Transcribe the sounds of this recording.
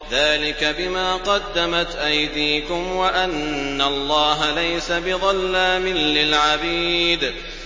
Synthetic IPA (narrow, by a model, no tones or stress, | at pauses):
ðaːlɪkabɪmaːqɑd̪ːamat̪ʔajd̪iːkʊmwaʔanːalˤːɑːɦalajsabɪðˤɑlːaːmɪlːɪlʕabiːd̪